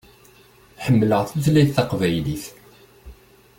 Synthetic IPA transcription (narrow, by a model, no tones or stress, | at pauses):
ħəmːləʁθəðliθːɑqvæjliθ